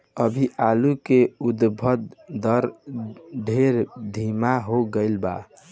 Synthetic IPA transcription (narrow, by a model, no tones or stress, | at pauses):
əbʱiʔalukeud̪bʱəd̪d̪əɾ | ɖʱeɾd̪ʱimaɦoɡəɪlba̰